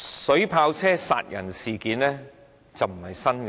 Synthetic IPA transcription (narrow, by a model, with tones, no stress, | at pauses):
sɵ˨˥ɥpʰaː˧wt͡sʰɛː˥sa̰ː˨˧t̚jɐ̰˨˩nsiː˨kiː˨˥nlɛː˥ | t͡sɐ˨wm̩˨˩hɐ˨jsɐ˥nk